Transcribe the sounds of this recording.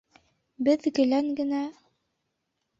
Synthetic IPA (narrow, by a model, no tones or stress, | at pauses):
bɘðɡɘ̆læŋɡɘ̆næ